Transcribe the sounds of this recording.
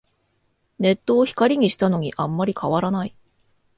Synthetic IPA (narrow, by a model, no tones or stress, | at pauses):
ne̞t̪ːo̞ːçi̥kaɾʲiɲ̟iɕi̥t̪ano̞ɲ̟iʔãmːaɾʲikʰaβaɾanai